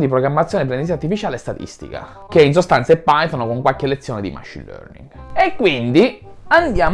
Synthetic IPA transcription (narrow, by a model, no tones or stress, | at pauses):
d̪ipɾoɡɾamːat̪sːjoːnep̬ɾend̪siːart̪ifit͡ʃaːlest̪at̪ḭst̪ḭka̰ | keins̬ost̪ant̪saepːajt̪onokoŋkwalkelːet̪sːjoːned̪ḭma̰ʃḭlø̰rnḭŋɡekːwind̪iand̪jaː